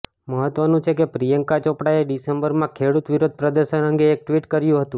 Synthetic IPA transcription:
məɦət̪ʋənũt͡ʃʰekepɾijəŋkat͡ʃɔpɽaeɖisembəɾmãkʰeɽut̪ʋiɾod̪̚ʱpɾəd̪əɾʃənəŋɡeːk̚ʈʋiʈkəɾjũɦət̪ũ

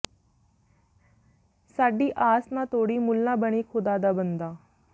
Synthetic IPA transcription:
saːɖiːʔaːsnãːt̪oːɽiːmʊlnãːbəɳiːkʰʊd̪aːd̪aːbənd̪aː

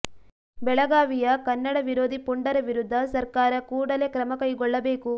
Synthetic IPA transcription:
bɛɭɐɡaːʋijɐkɐnːɐɽɐʋiɾo̞ːd̪ʱipuɳɖɐɾɐʋiɾud̪ʱːɐsɐɾkaːɾɐkuːɽɐle̞kɾɐmɐkɐjɡɔɭːɐbeːku

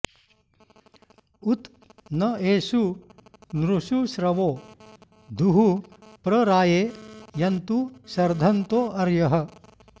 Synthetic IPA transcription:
ut̪ | nɐeːʃu | nɾuʃuʃɾɐʋoː | d̪ʱuɦupɾɐɾaːjeːjɐnt̪usɐɾd̪ʱɐnt̪oːʔɐɾjɐɦɐ̆

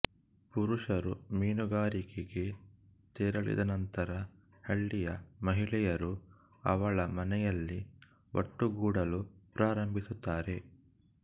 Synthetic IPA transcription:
puɾuʂɐɾumiːnuɡaːɾikeɡe̞ | t̪eːɾɐɭḭd̪ɐnɐnt̪ɐɾɐ | hɐɭːijɐmɐɦiɭɛjɐɾu | ɐ̰ʋɐɭɐmɐnɛjɐlːi | ʔo̰ʈːuɡuːɽɐlupɾaːɾɐmbʱisut̪ːaːɾe̞

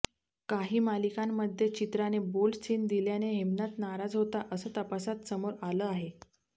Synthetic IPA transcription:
kaɦiːmalikamːəd̪ʱːjet͡ɕit̪ɾanebolt͡ɕiːnd̪iljaneɦimnat̪naɾad͡zɦot̪aʔəsəːt̪əpasat̪səmoɾaləaɦe

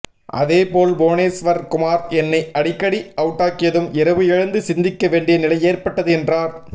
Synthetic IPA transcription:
ʔɐ̰ðeːpoːlboːneːsʋɐɾkʊmaːɾɛnːɐɪʔɐɽɪkːɐɽiɐʋɯʈːaːkːɪjɐðɯmɪɾɐʋɯɛɻɐnd̪ɯsɪnd̪ɪkːɐʋeːɳɖɪjɐnɪlɐɪeːɾpɐʈːɐðɯɛndraːɾ

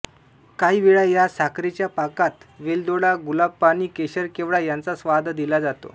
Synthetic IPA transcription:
kaɦiːʋeɭajasakɾet͡ɕjapakat̪ʋeld̪oɽaɡulab̚paɽ̃iːkeɕəɾkeʋɭajant͡sasʋad̪ʱd̪ilad͡zat̪o̰

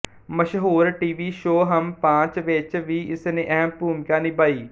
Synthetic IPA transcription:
məʃɦuːɾʈiːʋiːʃoːɦəmpãːt͡ʃʋeːt͡ʃʋiːɪsnẽːʔɛɦəmpuːmkaːnibaːiː

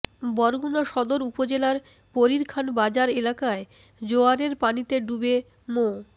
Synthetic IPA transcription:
bɔɾɡunoʃɔd̪oɾupod͡ʑelaɾ | poɾiɾkʰanbad͡ʑaɾelakae | d͡ʑoaɾeɾpanit̪eɖube | mo

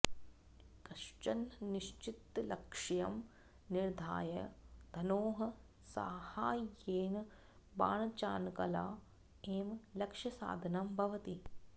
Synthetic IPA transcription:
kɐʃt͡ʃɐnniʃt͡ʃit̪ːlɐkʂɐjɐm | niɾd̪ʱa̰ːjɐd̪̥ʱɐnoːɦɐ | sa̰ːhaːjeːn | ba̰ːɳɐt͡ʃaːnkɐla̰ː | eːmlɐkʂɐsa̰ːd̪ʱɐnɐmbʱɐʋɐt̪i

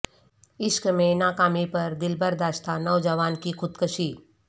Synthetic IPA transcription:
ɪʃkmẽnaːkaːmipɐɾd̪ɪlbəɾd̪aːʃt̪ʰanɔːd͡ʒəʋaːnkixʊd̪kəʃiː

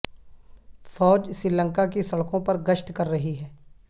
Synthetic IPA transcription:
fɔːd͡ʒsɾiːlə̃ŋkakesɐɭkõpɐɾɡəʃt̪kɐɾːɐɦiɦɛː

